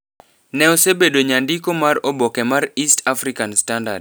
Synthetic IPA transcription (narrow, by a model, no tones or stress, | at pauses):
nɛɔsebedoɲandikomaɾobɔkɛmaɾistʰafɾikanstanda̰d